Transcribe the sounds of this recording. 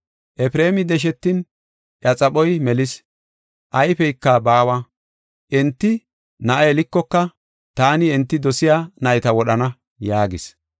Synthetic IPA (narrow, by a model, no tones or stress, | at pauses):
ʔɛpɪɾe̞ːmɪd̪ɛʃ̬ɛt̪ːɪn | ʔɐt͡sʼɐɓɔjmɛlɪs | ʔɐjpɛjɪkːɐbaːwɐ | ʔɛnt̪ːɪ | nɐʔɐɛlɪkːɔkːɐ | t̪aːnɪɛnt̪ːɪd̪ɔsɪjaːnɐjɪt̪ɐwɔɗɐnɐ | jaːɡɪs